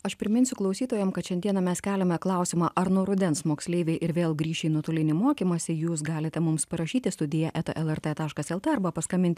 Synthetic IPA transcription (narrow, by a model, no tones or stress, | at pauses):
ɐʃpʲɾʲɪmʲɪnʲsʲʊklˠɐʊsʲiːt̪oːjɛmkɐt̪ʃʲɛnd̪ʲiɛnɑmʲɛskʲæːlʲɛmʲɛklˠɑˑʊsʲɪmɑʔɐɾnuɔɾʊd̪ʲɛnsmoːksʲlʲeːʋʲeɪʔɪɾʋʲeːlˠɡɾʲiːʃʲɛɪnuɔt̪oːlʲɪnʲɪmoːkʲiːmɐsʲɪjuːs̬ɡɑːlʲɪt̪ʲɛmʊmspɐɾɐʃʲiːt̪ʲɪst̪ʊd̪ʲɪjɛʔɛt̪ɐʔɛlˠɛɾt̪ɛt̪ɑːʃkɐsɛlˠt̪ɛɐɾbɐpɐskɐmʲɪnʲt̪ʲɪ